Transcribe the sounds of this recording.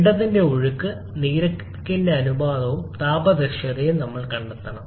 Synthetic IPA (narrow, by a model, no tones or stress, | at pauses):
ɽɐðinde̞uɻukːɨ | niːɾɐk | kːindeɐnubaːðɐʋumt̪aːbɐd̪ɐɕɐðejumnɐmːɐɭkɐɳɖɐt̪ːɐɳɐm